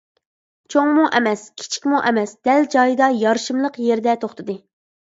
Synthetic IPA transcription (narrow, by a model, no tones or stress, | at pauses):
t͡ʃʰoŋmuʔɛmɛskʲʰi̥t͡ʃʰi̥kʲmuʔɛmɛsd̪̥ɛld͡ʒɑjɨd̪ɑjɑɾʃɨmlˠəqjeɾd̪ɛt̪ʰoχt̪ʰɨd̪ɨ